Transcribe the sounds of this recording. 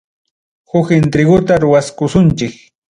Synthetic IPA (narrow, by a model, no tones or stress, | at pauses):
hʊkɪnt̪ɾɪɡʊt̪aɾʊwaskʊsʊnt͡ʃɪk